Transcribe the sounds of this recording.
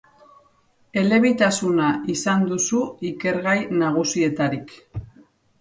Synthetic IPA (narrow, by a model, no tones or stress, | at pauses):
e̞le̞β̞it̪asunaʔisand̪usuike̞ɾɣajnaɣ̞usie̞t̪aɾik